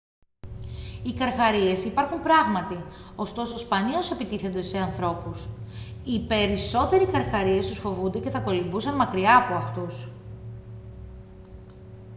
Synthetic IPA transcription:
ikɐɾxɐɾie̞sipɐɾxumpɾɐɣmɐt̪io̞st̪o̞sospɐnio̞se̞pit̪iθe̞nd̪e̞se̞ɐnθɾo̞pusipe̞ɾiso̞t̪e̞ɾikɐɾxɐɾie̞st̪usfo̞vund̪ece̞θɐko̞limbusɐnmɐkɾiɐːpoɐft̪us

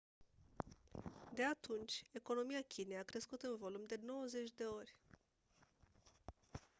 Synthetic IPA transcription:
d̪e̞at̪unt͡ʃʲe̞ko̞no̞mijakʲinejakɾe̞skut̪ɨnvo̞lumd̪e̞no̞wəze̞t͡ʃʲd̪e̞o̞rʲ

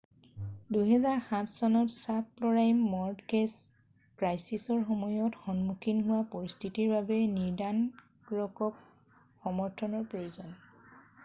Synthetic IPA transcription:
duɦɛzaɹxãtʰsɔnɔtsap̚lɔɹajmːɔɹdkes | kɹajsisɔɹxɔmɔjɔtxɔnmukʰinɦʊwapɔɹist̪ʰitiɹbabɛniɹdan | kɹɔkɔk̚ | xɔmɔɹtʰɔnɔɹpɹojuzɔn

